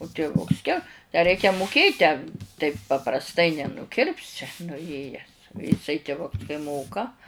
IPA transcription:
ʊ tʲɪˈʋʊks kʲɛ tʲæː ˈrʲɛɪkʲɛ mʊˈkʲeːt tʲæː tɐɪp pɐprɐsˈtɐɪ nʲɛnʊˈkʲɪrʲpʲsʲɪ nʊˈjeːjæːs jɪˈsɐɪ tʲɪˈʋʊks kɐɪ ˈmoːkɐ

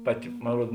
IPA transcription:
ˈpɑːˌtʲɪ moːn ˈruɔt

